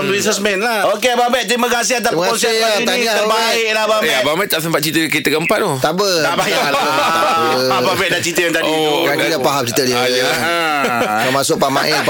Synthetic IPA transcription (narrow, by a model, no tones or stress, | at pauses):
mbɾisɛsmɛ̃nlaokebabɛʔt̪ɾimãkasiat̪̬aməkaʊnsaiaɡabaɪʔlahbabjababɛʔt̪aʔ̚s̬əmpat̪̚t͡ʃit̪əkit̪əkəmpanot̪abədabaja | ababɛʔdat͡ʃit̪əjant̪adikaidapaɦam̚t͡ʃit̪ədi | əmasʊʔ̚pamaʔɛ